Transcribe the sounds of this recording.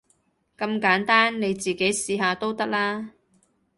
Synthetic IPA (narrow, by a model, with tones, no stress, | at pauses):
kɐ˧mkaː˨˥nt̪aː˥nne˨˧jt͡siː˨ke˨˥jsiː˧ɦaː˧t̪o˥wt̪ɐ˥k̚laː˥